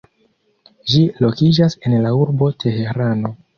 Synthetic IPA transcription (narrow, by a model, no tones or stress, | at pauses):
ʒilo̞kid͡ʒase̞nlauɾbo̞tʰe̞he̞ɾano̞